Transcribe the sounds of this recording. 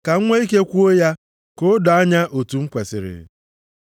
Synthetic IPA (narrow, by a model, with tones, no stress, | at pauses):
ka˨ŋ̩˦ŋʷe˦i˦ke˦kʷu˦o˦ja˦ | ko˦dɔ˨a˦ɲa˦ʔo˨tu˨ŋ͡m̩˦kʷe˨sɪ̰˨ɾɪ̰˨